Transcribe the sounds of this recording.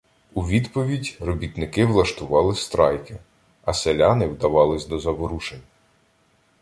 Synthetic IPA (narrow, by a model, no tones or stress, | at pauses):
uʋʲid̪pɔʋʲidʲrɔbʲit̪nɪkɪʋlˠɐʃt̪ʊʋɑlˠɪst̪ɾɑjkɪ | ɐselʲanɪwd̪ɐʋɑlˠɪsʲd̪ɔzɐbɔɾuʃenʲ